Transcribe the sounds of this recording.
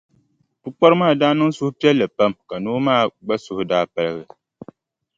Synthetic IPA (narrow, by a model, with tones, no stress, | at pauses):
tu˦k͡pa˦ɾɨ˦maː˦˨daː˦nɨ˦ŋsʊ˦hʊ˦pi˦ɛ˦lːɨ˨pa˦mka˨noː˦maː˦˨ɡ͡ba˦sʊ˦hʊ˦daː˦pa˦lɨ˦ɣɨ˨